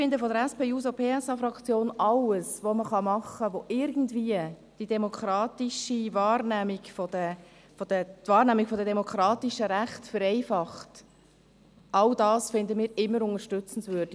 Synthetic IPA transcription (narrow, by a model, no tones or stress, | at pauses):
fɪnd̪əfɔdəɾɛspeːuːsopʰeːɛsɑfɾɑkt͡sjoːnɑləsʋoməχɑmɑχəʋoʔɪɾɡən̩dviːə | d̥id̥ɛmokʰɾɑːt̪iʃivɑːrnæmiɡfodə | fɔdət̪vɑːɾnæːmiɡ̥fɔdədɛmɔkʰɾɑːtiʃəɾæχtfəɾɛɪfɑχt | ʔɑld̥ɑːsfɪnd̪əmɪːɾɪmːəɾʊŋəʃtʏt͡sən̩svød̥i